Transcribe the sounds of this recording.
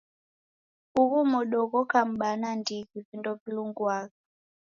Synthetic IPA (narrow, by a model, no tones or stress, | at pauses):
uɣumɔɗɔɣɔkam̩ɓanandikivindɔpiluŋɡwaka